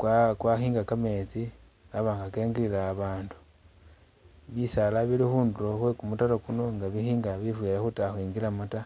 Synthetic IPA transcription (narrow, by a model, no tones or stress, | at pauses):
kwakwaxiːŋɡakame̞t͡si | ɡaβaːŋɡake̞ːŋɡiɾilaːβaːndu̥ | βisalaβilixuːndulo̞xwe̞kumutaɾokuno̞ŋɡaβixiːŋɡaβifweɾexutaxwiːŋɡiɾamuta